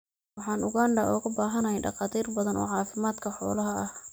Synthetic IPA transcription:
wɑħɑːnʊɣaːnd̪ɐʔɔːɣɐbaːɦɐnɐjɛjɖɑ̰qɑːt̪ʰiːrbɐðɐnɔ̰ːʕɑːfɪmaːd̪kʰɐħɔ̰ːlɐɦɐʔɐh

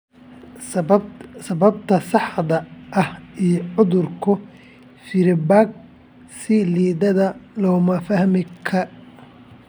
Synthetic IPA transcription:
sɐβɐbt̪ʰɐsɑħd̪ɐʔɐhijɔʕʊðʊrkʰʊ | fɪɾɪbaːɡ̚ | sɪliːðɐðɐlɔːmɐfɐhmɪkʰɐ

